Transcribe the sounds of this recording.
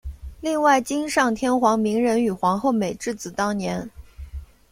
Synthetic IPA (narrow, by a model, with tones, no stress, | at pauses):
li˥˧ŋwa˥˩ɪt͡ɕi˥nʂɑ˥˩ŋt̪ʰjɛ˥nxwɑ˧˥ŋmi˧˥ŋɻə˧˥ny˨˩xwɑ˧˥ŋxo˥˩ʊme˨˩ɪʈ͡ʂɻ̩˥˩t͡sɹ̩˨˩t̪ɑ˥ŋnjɛ˧˥n